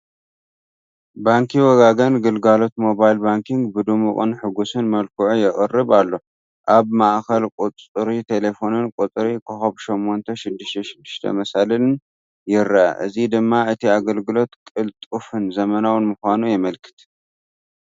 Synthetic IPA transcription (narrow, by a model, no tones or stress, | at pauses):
baŋkʰiwɔɡaɡɐnɡɨlɡalo̞t̪mo̞bajlbaŋkʰiŋɡbɨd̪umuχʼɨ̰nħɨɡusɨnmɐlkʰɨʕujɪχʼɨrːɨβalːo̞ | ʔaβmaʔxɐlkʼut͡sʼɾit̪ʰe̞le̞fo̞nɨnkʼut͡s̪ʼɾikʰɨxɐβʃomːo̞nt̪ʰɐʃɪd̪ːɨʃt̪ʰɐʃɪd̪ːɨʃt̪ʰɐ̰mɐsalɨɨn | jɪɾaʔa̰ʔɨzid̪ɨmːaɨt̪ʰiaɡɐlɡɨlo̞t̪kʼɨlt̪ʼufɨnzɐmɐnawɨnmɨxʷanujɛmɐlkʰɨ̥t̪